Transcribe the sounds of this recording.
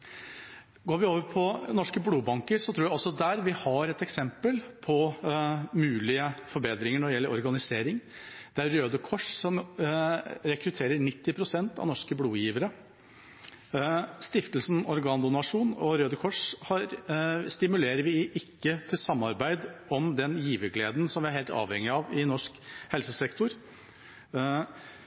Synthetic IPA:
ɡoːɾʋɪoːʋəɾpʰɔnɔʂkəbluːbɑŋkəɾsɔt̪ʰɾuːjæɪɔsɔd̪æːɾʋɪhɑɾɛt̪ɛksɛmpəlpʰɔ | mʉːlɪəfɔɾbeːd̪ɾɪŋəɳɔɖɛjɛlːəɾɔɾɡɑnɪseːɾɪŋd̪̥ɛæɾːøːd̪əkʰɔʂsɔm | ɾɛkɾʉt̪ʰeːɾəɾɳɪt̪ːɪpʰɾʊsɛnt̪ɑ̰ʋnɔʂkəbluːjiːʋəɾə | st̪ɪft̪əlsn̩ɔɾɡɑːnd̪ʊnɑʂuːnɔɾøːd̪əkʰɔʂhɑɾst̪ɪmʉleːɾəɾʋɪʔɪkːət̪ʰɪlsɑmːɑɾbæɪd̪ɔmd̪ɛnjiːʋəɡleːd̪n̩sɔmʋɪæɾheːlt̪ɑ̰ːʋhɛŋɪɑʋɪnɔʂkhɛlsəsɛkt̪ʊɾ

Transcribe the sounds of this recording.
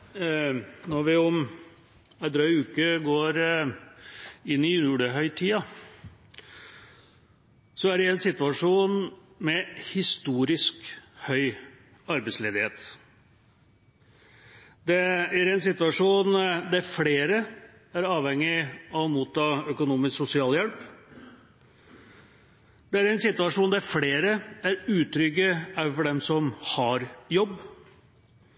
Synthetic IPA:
nɔɾʋɪɔm | æd̪ɾɑʏʉːkəɡoːɾ | ɪnːɪjuːɽəɦœʏt̪ʰiːɑ | sɔæɖɛɛnsɪt̪ʉʋɑʂuːn | mɛhɪst̪uːɾɪskhœʏ | ɑɾbɛɪsleːd̪ɪheːt̪ | d̪ɛæɾɛnsɪt̪ʉʋɑʂuːnd̪æɾfleːɾə | æɾɑːʋhɛŋːɪɑʋɔmuːt̪ʰːɑːœkʊnuːmɪsksʊsɪɑːljɛlp | d̪̥ɛæɾɛnsɪt̪ʉɑʂuːnd̪æɾfleːɾəæɾʉːt̪ʰɾʏɡəæfɔɖɛmsɔmhɑɾjɔbː

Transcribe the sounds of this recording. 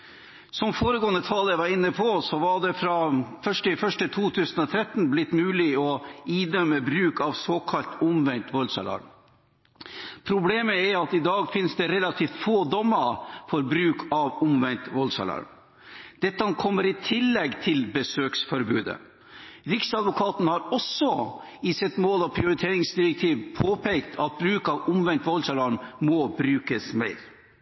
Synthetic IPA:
sɔmfoːɾəɡoːənət̪ʰɑljʋɑɾɪnːəpʰɔsɔʋɑɖɛfɾɑfœʂʈɪfœʂʈət̪ʰuːt̪ʰʉːsənɔt̪ʰɾɛt̪ːnblɪt̪ːmʉːlɪɔiːd̪œmːəbɾʉːkɑʋsoːkʰɑlt̪ʊmʋɛnt̪ʋɔlsɑ̰lɑ̰ɾ | pʰɾʊbleːməɛɾɑt̪ɪd̪ɑːɡfɪnsd̪ɛɾɛlɑt̪ʰiːft̪foːd̪ɔmːəɾfɔɾbɾʉːkʰɑʋʊmʋɛnt̪ʋɔlsɑ̰lɑ̰ɾɳ | d̪̥ɛt̪ːəɑnkʰɔmːəɾɪt̪ʰɪlːɛɡt̪ʰɪlbəsøːksfɔɾbʉːd̪ə̰ | ɾɪksɑd̪ʋʊkʰɑːt̪nhɑɾɔsɔɪsɛt̪moːlɑpʰɾɪʊɾɪt̪ʰeːɾɪŋsd̪ɪɾɛk̚t̪ʰiːʋpʰoːpʰɛkt̪ʰɑt̪̚bɾʉːkɑʋʊmʋɛnt̪ʋɔlsɑlɑɳmɔbɾʉːkəsmæɪɾ

